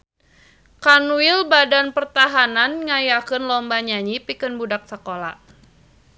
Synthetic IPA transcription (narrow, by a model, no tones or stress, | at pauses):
kanuilbadanpərt̪aɦananŋajakənlɔmbaɲaɲipikənbudak̚səkola̰